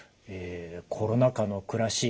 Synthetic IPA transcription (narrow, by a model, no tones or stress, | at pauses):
eːkʰo̞ɾo̞nakano̞kɯ̟ɾaɕiː